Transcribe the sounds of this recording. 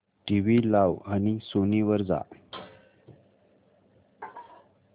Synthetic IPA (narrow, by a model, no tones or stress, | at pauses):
ʈiʋilaʋañisoniʋəɾd͡za̰